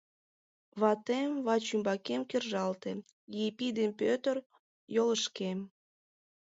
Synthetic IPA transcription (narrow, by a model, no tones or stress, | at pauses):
βɑt̪emβɑt͡ɕymbɑkemkerʒɑlt̪e | jipid̪enpøt̪ər | joləʃkem